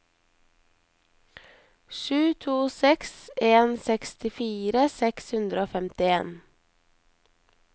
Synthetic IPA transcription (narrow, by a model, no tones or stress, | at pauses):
ʃʉːt̪ʰuːsɛkseːnsɛkst̪ɪfiːɾəsɛkshʉnd̪ɾəoːfɛmt̪ɪḛːn